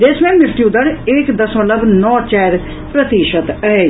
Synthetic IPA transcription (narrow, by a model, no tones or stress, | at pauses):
d̪eːsmẽːmɪɾt̪jud̪əɾɪkd̪əsõːləbnɔːt͡ʃɛːɾ | pɾət̪iːʃət̪əɦeː